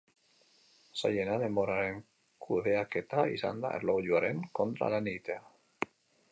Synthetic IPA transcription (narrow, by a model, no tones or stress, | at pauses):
saʎenaðemoɾaɾeŋ | kʰuðeaket̪aisa̰nd̪a̰ʔḛɾlowʎuaɾenkont̪ɾa̰lanit̪ea